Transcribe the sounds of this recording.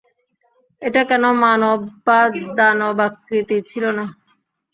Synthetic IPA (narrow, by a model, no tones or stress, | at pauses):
eʈakɛnomanobad̪anobakɾit̪it͡ɕʰilona